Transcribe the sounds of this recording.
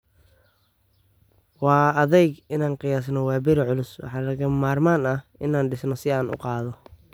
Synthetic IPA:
wɑːɐðɛjɡɪnaːnqɪjaːsnɔwɑːbɪɾɪʕʊlʊswɑ̰ħɑːlɐɣɐmaːrmaːnɐhɪnaːnɖɪsnɔsɪaːnʔʊ̰qɑːðɔ

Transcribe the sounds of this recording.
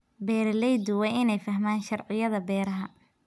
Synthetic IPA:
bɛːɾlɛjd̪ʊwɛjɪnɛjfɐɦmaːnʃɐrʕɪjɐðɐbɛːɾɐɦɐ

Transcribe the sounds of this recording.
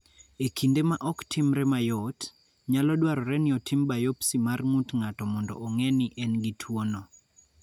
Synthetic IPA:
ekʰindemaʔɔktʰimɾɛmajɔt | ɲalɔdwaɾɔɾɛnɪɔtʰimbajopsimarŋutŋatɔmɔndɔ̰ʔɔŋɛnɪʔɛnɡitʰwonɔ

